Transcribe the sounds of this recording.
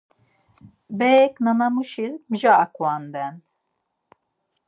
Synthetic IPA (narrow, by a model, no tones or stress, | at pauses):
bɛknanamuʃiɾmʒaːkuwand̪ɛn